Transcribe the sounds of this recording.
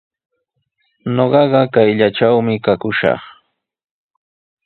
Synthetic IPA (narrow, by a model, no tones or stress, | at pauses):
ɲoɢɑɢɑkajʎaʈ͡ʂawmɪkakʊʃɑ̰χ